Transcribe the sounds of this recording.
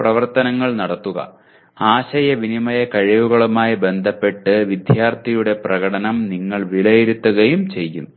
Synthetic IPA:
prɐʋɐrt̪ɐnɐŋːɐɭnɐɽɐt̪ːuɣɐ̰ | aːɕɐjɐʋinimɐjekɐɻiʋuɣɐɭumaːjibe̞nd̪ʱɐpːe̞ʈːɨʋid̪ʱjaːrt̪ʰijuɽe̞prɐɣɐɽɐnɐmniŋːɐɭʋiɭɐjiɾut̪ːuɣɐjumt͡ɕe̞jːum

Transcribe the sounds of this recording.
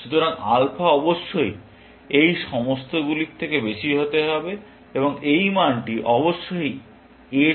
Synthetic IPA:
ʃut̪ʰoɾaŋa̰lpʰaɔboʃːoj | ejʃɔmost̪ʰoɡulit̪ʰekebeʃiɦot̪eɦɔbe | eboŋejmaɳʈiʔɔboʃːoj | e

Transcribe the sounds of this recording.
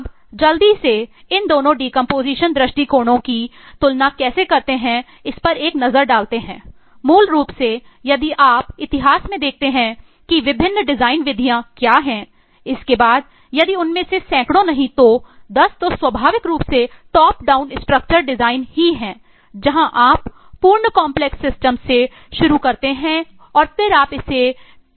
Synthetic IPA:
p | d͡ʒɐld̪ise | ɪnd̪oːnõɖiːkə̃mpoːziːʃənd̪ɾɪʃʈikoːɽõkit̪ʊlnakɛːsekɐɾt̪eɦɛ̃ | ɪspɐɾeːknɐzəɾɖaːlt̪eɦɛ̃ː | muːlɾuːpse | jɐd̪iʔaːpɪt̪ɪɦaːsmẽd̪eːk̚ʰt̪eɦɛ̃ | kiʋɪbʱɪnːɖɪzaːɪnʋɪd̪ʱijãkjaːɦɛ̃ː | ɪskebaːd̪ | jɐd̪iʊnmẽsesɛ̃ːkɽ̃õnɐɦĩt̪od̪ɐst̪oswɐbʱaːʋɪkɾuːpseʈɔːpɖaːʊnɪsʈɾək̚t͡ʃəɾɖɪzaːɪnhiɦɛ̃ː | d͡ʒɐɦãʔaːpː | uːɾɳəkaːmplɛksːɪsʈəmse | ʃʊɾukɐɾt̪eɦɛ̃ | ɔːɾpʰɪɾaːpɪse

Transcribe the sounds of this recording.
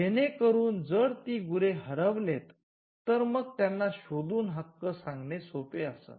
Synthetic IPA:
jenekəɾuːnd͡zəɽt̪iːɡuɾeɦəɾəʋlet̪ː | əɾməɡ̚t̪janːaɕod̪uːnɦəkːəsãŋɡnesopeəsə̰t̪

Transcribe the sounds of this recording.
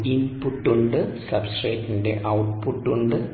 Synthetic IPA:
inpuʈːuɳɖɨsɐbsʈreːʈːindḛʔɐwʈpuʈːuɳɖɨ

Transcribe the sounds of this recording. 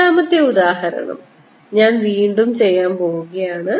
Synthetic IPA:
aːmɐt̪ːeud̪aːɦɐɾɐ̰ɳɐ̰m | ɲaːnʋiːɳɖumt͡ɕe̞jːaːmpo̞ːwuɣɐjaːɳɨ

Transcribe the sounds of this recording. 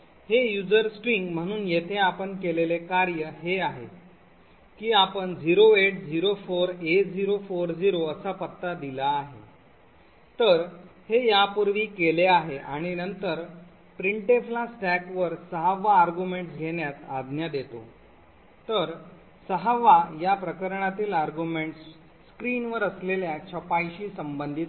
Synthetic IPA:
hejud͡zəɾsʈɾiŋɡm̤əɽ̃uːnjet̪ʰeapəɳkelelekaɾjəɦeaɦḛ | kiːapəɳd͡ziɾoeʈ̚d͡ziɾofoɾed͡ziɾofoɾd͡ʑiɾoəsapət̪ːad̪ilaːɦḛ | t̪əɾhejapuɾʋiːkeleaɦeʔaɽ̃inənt̪əɾ | pɾiɳʈeflasʈækʋəɾsəɦaʋːaːɾɡjumeɳʈsɡʱeɽjat̪ad̪ʱnjad̪et̪o̰ | t̪əɾ | səɦaʋajapɾəkəɾɳat̪iːlaɾɡumeɳʈsː | kɾiːnʋəɾəsleljat͡ɕʰəpajɕiːsəmbənd̪ʱit̪

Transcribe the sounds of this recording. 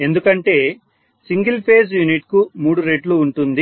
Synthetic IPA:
e̞nd̪ukɐɳʈe̞ː | siŋɡilpʰe̞ːs̬juniʈkumuːɽuɾeʈluːɳʈund̪i

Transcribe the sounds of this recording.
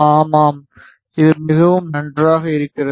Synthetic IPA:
aːmaːm | ɪðɯmɪɣɐʋɯmnɐndraːɣɐɪɾɯkːɪrɐ

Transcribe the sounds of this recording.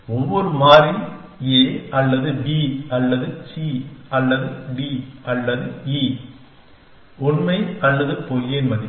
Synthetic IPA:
ɔʋːɔɾɯmaːɾɪl | eːɐlːɐðɯbiːɐlːɐðɯt͡ʃiːɐlːɐðɯɖiɐlːɐðɯi | ʊnmɐɪɐlːɐðɯpɔljenmɐðɪ

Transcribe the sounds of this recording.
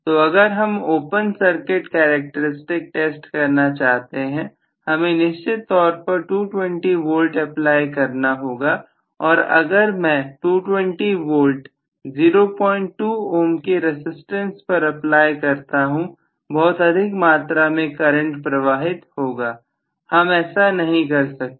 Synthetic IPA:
t̪oɐɡəɾɦɐmoːpənsɐɾkɪʈkeːɾek̚ʈəɾɪsʈɪk̚ʈeːsʈkɐɾnat͡ʃaːɦt̪eɦɛ̃ | hɐmẽnɪʃt͡ʃɪt̪ːɔːɾpɐɾʈuːʈwɛ̃ɳʈiʋoːlʈɐplaːjkɐɾnaɦoːɡa | ɔːɾɐ̰ɡəɾmɛ̃ːʈuːʈwɛ̃ɳʈiʋoːlʈ | ziːɾopɔːɪ̃ɳʈːuːoːmkeɾɪsɪsʈə̃nspɐɾɐplaːjkɐɾt̪aɦũ | bɔːt̪ɐd̪ʱɪkmaːt̪ɾamẽkɐɾə̃ɳʈpɾɐʋaːɦɪt̪hoːɡaː | hɐmɛːsanɐɦĩkɐɾsɐk̚t̪e

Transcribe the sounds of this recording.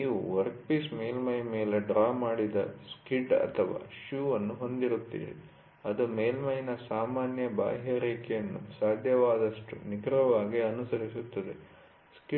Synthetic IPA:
niːʋṵʋɐɾk̚piːsmeːlmɐjmeːleɖɾaːmaːɽid̪ɐskiɖɐ̰t̪ʰɐʋa̰ːʃjuːʋɐnːuɦo̞nd̪iɾut̪ːḭːɾḭ | ɐd̪umeːlmɐjnɐsaːmaːnjɐba̰ːɦjɐɾiːkɛjɐnːṵsaːd̪ʱjɐʋaːd̪ɐʂʈṵniɡɾɐʋaːɡiɐnusɐɾisut̪ːɐd̪e̞ | ski

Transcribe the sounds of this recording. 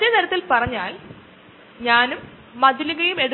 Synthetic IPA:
t̪ːet̪ɐɾɐt̪ːilpɐrɐɲːaːl | ɲaːnumː | ɐd̪ʱiluɣɐjume̞ɽu

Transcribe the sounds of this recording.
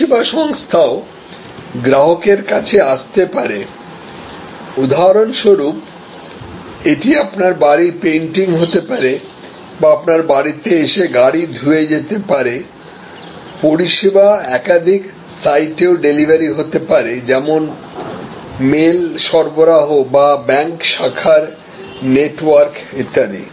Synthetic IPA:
ibaʃɔŋst̪ʰao | ɡɾaɦokeɾkat͡ɕʰeaʃt̪epaɾe | ud̪ʱaɾonʃoɾup̚ | eʈiapnaɾbaɾipenʈiŋɦot̪epaɾe | baapnaɾbaɾit̪eeʃeɡaɽid̪ʱued͡ʑet̪epaɾe | poɾiʃebaɛkad̪ʱik | sajʈeoɖelibʱaɾiɦot̪epaɾed͡ʑɛmon | melʃɔɾboɾaɦobabɛŋkʃakʰaɾ | neʈwaɾkit̪ːad̪ḭ

